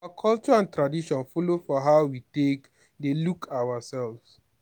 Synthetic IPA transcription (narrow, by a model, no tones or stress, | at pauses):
aaakʰɔlt͡ʃɔãntɹadiʃɔ̃nfolofɔɦaʊwitek | delukʰawasɛlvs